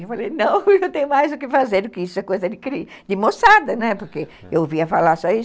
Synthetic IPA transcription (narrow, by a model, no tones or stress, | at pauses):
ewfalejnɐ̃w̃ewt̪ẽɲʊmajzʊkɪfazeɾd̪ʊkɪisʊɐkojzɐd̪ɪkɾi | d̪ɪmosad̪ɐnɛpoɾke | ewviɐfalaɾsɔis